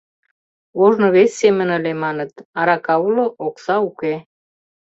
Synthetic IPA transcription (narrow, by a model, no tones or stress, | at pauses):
oʒnŏβesʲːemə̆nə̆lemɑnə̆t̪ɑɾɑkɑuloʔoksɑuke